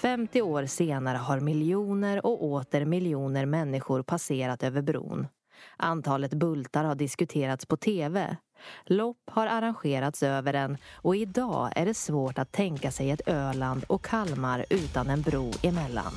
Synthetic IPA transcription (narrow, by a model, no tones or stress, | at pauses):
fɛmt̪ɪoːɾseːnaɾəɦaɾmɪljuːnəɾɔoːt̪əɾmɪljuːnəɾmɛnːɪɧʊɾpʰaseːɾat̪øːvəɾbɾṵːn | ʔant̪ʰɑːlət̪bɵlt̪aɾhaɖɪskɵt̪ʰeːɾat̪spʰɔt̪ʰeːvɛ̰ | lɔpːhaɾaɾanɧeːɾat̪søːvəɖɛnɔɪd̪ɑ̰ːæ̰ɖɛsvoːʈat̪ʰːɛŋkasɛjɛt̪øːɭand̪ɔkʰːalmaɾʉ̟ːt̪anɛnbɾuːɪmɛlːa̰n